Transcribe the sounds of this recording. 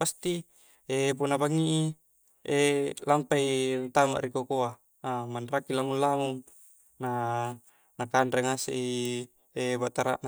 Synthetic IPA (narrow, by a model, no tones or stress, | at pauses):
past̪i | ep̬unabaŋːiʔi | elampaiŋt̪ama̰ʔɾikokoa | amanrakilaŋullaŋu | na | nakanɾeŋasḛʔi | ebaʔt̪aɾa̰ʔn